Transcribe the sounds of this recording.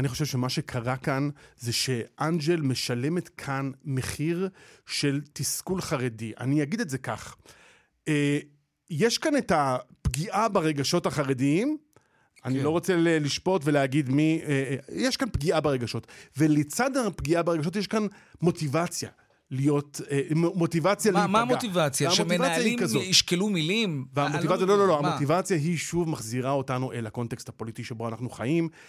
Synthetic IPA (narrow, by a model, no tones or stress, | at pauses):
aniχo̞ʃevʃemaʃe̞kʰaʁakanzeʃe̞ʔand͡ʒe̞lme̞ʃale̞metkʰanme̞χiʁʃe̞ltiskulχaʁediʔa̰nijaɡidetze̞kaχ | e | jeʃkanetapɡiʔabaʁe̞ɡaʃo̞thaχaʁediim | anilo̞ʁot͡seleliʃpo̞tveleaɡidmiejeʃkanpɡiabeʁeɡaʃo̞tve̞let͡sadapɡiabeʁe̞ɡaʃo̞t̬jeʃkanmo̞tivat͡sja̰ | lijo̞tmo̞tivat͡sjalimamot̪ivat͡sjaamomivajaiikazoiʃkelumilimveamotivat͡sjalo̞lo̞loamotivat͡sjaɦiʃuvmaχziʁao̞tanuʔelhako̞nteksthapo̞litiʃebo̞anaχnuχa̰jim